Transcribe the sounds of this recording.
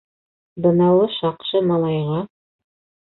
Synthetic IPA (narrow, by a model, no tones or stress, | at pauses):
bɤ̆nɑwˠɤʃɑqʃɤmɑlˠɑjʁɑ